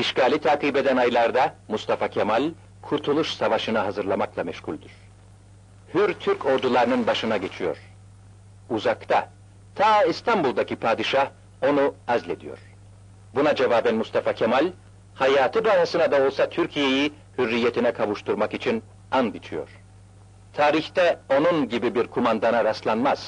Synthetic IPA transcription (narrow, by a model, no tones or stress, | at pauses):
iʃkaːlʲit̪ʰaːkibe̞d̪ænajlˠaɾd̪amust̪afacʰemalʲ | kʰuɾt̪ʰulˠuʃsavaʃɯnaɦazɯɾlˠamaklˠamɛʃhulʲd̪yɾ̥ | hyɾt̪ʰyɾcʰo̞ɾd̪ulˠaɾɯnɯnbaʃɯnaɟe̞t͡ʃʰijo̞̰ɾ̥ | uzakt̪ʰa | t̪ʰaːist̪ʰambulˠd̪acipʰaːd̪iʃah | o̞nuazlʲe̞d̪ijo̞̰ɾ̥ | bunad͡ʒevaːbænmust̪ʰafacʰemalʲ | hajaːt̪ʰɯbaːhasɯnad̪ao̞lˠsat̪ʰyɾcʰije̞ji | hyɾːijːet̪ʰinɛkʰavuʃt̪ʰuɾmakit͡ʃʰin | and̪it͡ʃʰijo̞̰ɾ̥ | t̪ʰaːɾiçt̪ɛo̞nunɟibibiɾkʰumand̪anaɾaslˠanmaz̥